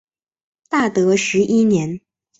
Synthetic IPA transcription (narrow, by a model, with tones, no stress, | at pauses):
t̪a˥˩t̪ɤ˧˥ʂɻ̩˧˥ʔi˥njɛ˧˥n